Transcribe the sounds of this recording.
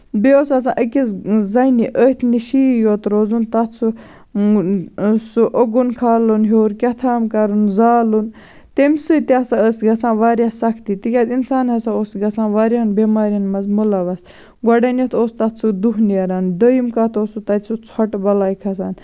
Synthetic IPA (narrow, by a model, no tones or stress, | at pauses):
beosɐs̬ã̰ːʔəkʲizzɐjniʔət̪ʰniʃiːjoːt̪ɾoːzunt̪ɐt̪t͡sʰu | suʔoɡunkʰaːlunɦoːɾkʲɐt̪ʰaːmkɐɾunzaːlun | t̪emsɨt̪ʲasaəsɡɐsãːʋaːɾʲjasɐkʰt̪it̪ikʲaːzinsaːnɦɐsaoːsɡɐsãːʋaːɾʲaɐnbeːmaːɾʲɐnmɐzmulɐʋɐs | ɡɔɖɐnot̪ʰoːst̪ɐt̪t͡sʰud̪uɦniɐɾand̪əjimkat̪ʰosut̪ɐt̪ʲsut͡sʰɔʈbɐlaːjkʰɐs̬aːn